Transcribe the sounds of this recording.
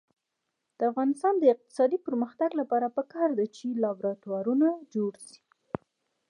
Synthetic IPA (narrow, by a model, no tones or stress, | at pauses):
d̪̥əafɣɑnɪst̪ɑnd̪əɪq̚t̪ɪ̥sɑd̪ipəɾməxt̪aɡlapɑɾapəkɑɾd̪at͡ʃelɑbɾɑt̪wɑɾunad͡ʒoɽsi̥